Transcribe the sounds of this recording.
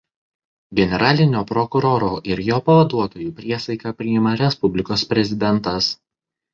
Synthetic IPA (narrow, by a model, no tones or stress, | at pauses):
ɡʲɛnʲɛɾɑːlʲɪnʲoːpɾɔkʊɾoːɾoːʔɪɾjoːpɐʋɐd̪uɔt̪oːjuːpʲɾʲiɛsɐɪkɑpʲɾʲɪɪmɐɾʲɛspʊbʲlʲɪkoːspʲɾʲɛzʲɪd̪ʲɛnt̪ɐs